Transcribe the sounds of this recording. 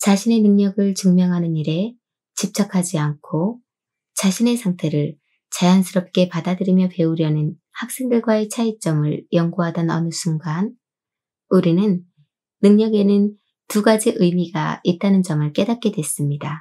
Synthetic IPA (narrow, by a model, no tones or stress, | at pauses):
t͡ɕaɕʰine̞nɯŋɲʌɡɯɭt͡ɕɯŋmjʌŋɦanɯniɾe̞ | t͡ɕip̚t͡ɕ͈akʰad͡ʑiankʰo | t͡ɕaɕʰine̞sʰaŋtʰe̞ɾɯɭ | t͡ɕajansʰɯɾʌp̚k͈e̞padadɯɾimjʌpe̞uɾjʌnɯn | hak̚s͈e̞ŋdɯɭɡwae̞t͡ɕʰait͡ɕ͈ʌmɯɭjʌŋɡuɦadʌnʌ̰nɯsʰuŋɡan | uɾinɯnː | ɯŋɲʌɡe̞nɯn | tuɡad͡ʑiʔɯjmiɡa̰it̚t͈anɯnd͡ʑʌmɯɭk͈e̞dat̚k͈e̞dwe̞s͈ɯmɲida